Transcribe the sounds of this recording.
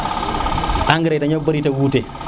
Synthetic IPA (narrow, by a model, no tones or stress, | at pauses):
aŋɡiɾetaɲobaɾitawuːte